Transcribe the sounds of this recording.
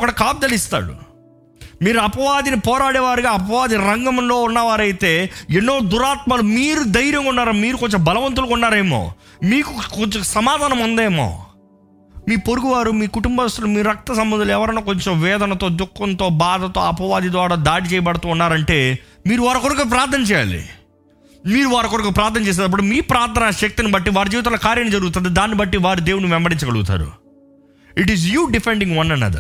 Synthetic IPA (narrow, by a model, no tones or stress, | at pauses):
ɔkɐɽɐkaːb̚d̪ɐlist̪a̰ːɽṵ | miːɾuɐpɐʋaːd̪inipɔːɾaːɽɛːʋaːɾiɡaːɐpɐʋaːd̪iɾɐŋɡɐmlo̞ːunːɐʋaːɾɐjit̪e̞ːenːo̞ːd̪uɾaːt̪̚mɐlumiːɾud̪ɐjɾjɐŋkunːaːɾɐmiːɾukoɲt͡ʃembɐlɐʋɐnt̪̬ulukunːaːɾɐjmo̰ː | miːkukot͡ʃsɐmaːd̪ʱaːnɐmund̪eːmo̰ː | miːpoɾuɡuʋaːɾumiːkuʈumbɐɐst̪ɾɐlmiːɾɾɐk̚t̪ɐsɐmbɐnd̪ʱuluɛʋɐɾɐnaːkoɲt͡ʃo̞mʋɛːd̪ʱɐnɐt̪o̞ːd̪ukːɐnt̪o̞ːbaːd̪ʱɐt̪oːɐpɐʋaːd̪ʱid̪ʋaːɽaːd̪aːɽit͡ʃɛːjɐbɐɽɐt̪uːunːaːɾɐɳʈe̞ː | miːɾuʋaːɾɐkoɾɐkɐpɾaːɾt̪ʰːɐnɐt͡ʃɛːja̰ːlḭ | miːɾuʋaːɾɐkoɾɐkɐpɾaːɾt̪ʰnɐt͡ʃeːs̬eːd̪ɐp̬ːuɽumiːpɾaːɾt̪ʰːɐnaːʃɐk̚t̪inibɐʈːiʋaːɾud͡ʒiːʋit̪alɐkaːɾjɐnɐid͡ʒɐɾuɡut̪̬und̪id̪aːnːibɐʈːiʋaːɾud̪eːwuɽniʋɛmbɐɾiɲt͡ʃɐkɐɽuɡut̪a̰ːɾṵ | iʈizjuːɖipeɳɖiŋɡʋɐnːɐnːɐ̰d̪ɐ̰ɾ